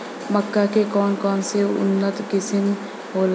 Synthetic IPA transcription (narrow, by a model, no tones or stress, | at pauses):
məkːakekɔːnkɔːnseʊ̰nːət̪kɪsɪm | ɦoːl